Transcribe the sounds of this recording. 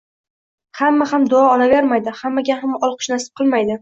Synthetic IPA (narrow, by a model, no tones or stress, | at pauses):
hamːahamd̪ʊɑɒlaveɾmajd̪ɪhamːaɡʲahamɒlˠqʰʊ̥ʃnasɪ̥p̚qʰɨlˠmajd̪ɪ